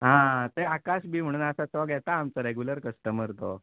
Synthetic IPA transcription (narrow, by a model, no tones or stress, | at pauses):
ɦãt̪eakaɕbiːm̤əɽ̃uːnəsat͡sɔɡjɛt̪aːmt͡səɾɛɡjuləɾkəsʈəməɾt̪o̰